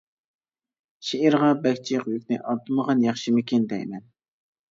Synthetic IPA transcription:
ʃeiɾʁɑbɛkʲt͡ʃʰiqjykʲnɪ̰ʔɑɾt̪ɨməʁɑnjɑχʃimɪkʲɪnd̪ɛ̰jmɛn

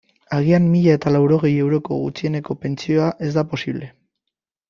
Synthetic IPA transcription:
aɣiamːiʎae̞t̪alawɾo̞ɣ̞e̞je̞wɾo̞ko̞̰ɣut͡sie̞ne̞ko̞pe̞nt͡sio̞aʔe̞zd̪apo̞siβle̞

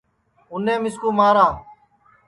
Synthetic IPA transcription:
ʊnẽːmɪskuːmaːɾãː

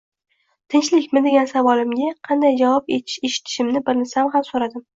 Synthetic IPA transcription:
t̪ʰɪnt͡ʃlɪkʲmɪd̪e̞ɡʲansavɒlɪmɡʲaqʰɑnd̪ajd͡ʒavɒpeɪ̥ʃeʃɪ̥t̪ʰɪ̥ʃɪmnɪbɪɾnɪsamɦamsoɾad̪ɪm

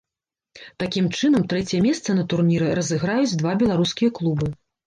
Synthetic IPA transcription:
t̪akʲimt͡ʂɨnɐmt̪ɾɛt͡sʲjɛmʲɛst̪sɐnɐt̪urnʲiɾɛɾɐzɨɣɾajud͡zʲd̪vabʲɛlˠaɾuskʲijɐklˠubɨ

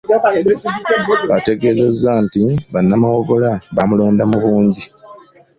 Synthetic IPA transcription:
eiiβate̞ɡe̞ːze̞zːantiβanːamawo̞ɡo̞laβamulo̞ːndamuβuːɲɟi

